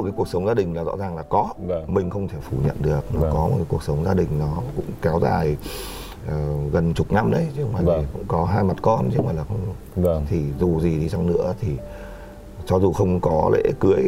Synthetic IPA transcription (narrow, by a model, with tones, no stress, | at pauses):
kaː˨˦ku˧˩ək̚sə˨˦wŋ͡mzaː˧ɗï˨˩ŋ̟laː˨˩zɔ̰˧˥zaː˨˩ŋlaː˨˩kɔ˨˦mï˨˩ŋ̟xə˧wŋ͡mt̪ʰe˧˩fu˧˩ɲə̰˧˨nɗɨ˨˩ək̚nɔ˨˦kɔ˨˦mo̰˨t̚kaː˨˦ku˧˩ək̚sə˨˦wŋ͡mzaː˧ɗï˨˩ŋ̟nɔ˨˦kʊ̰˧˥ŋ͡mkɛ˨˦wza̰ː˨˩j | ʔəː˨˩ɣə˨˩nt͡ɕʊ˨˩k͡p̚na˧mɗə˨˦jt͡ɕə˧wmaː˨˩i˨˩kʊ̰˧˥ŋ͡mkɔ˨˦ɦaː˧jma˨˩t̚kɔ˧nt͡ɕːwŋ͡maː˨˩laː˨˩xə˧wŋ͡m | t̪ʰi˨˩zu˨˩zi˨˩ɗi˧sa˧wŋ͡mnɨ̰˧˥ət̪ʰi˨˩ | t͡ɕɔ˧zu˨˩xə˧wŋ͡mkɔ˨˦lḛ˧˥kɨ˨˦əj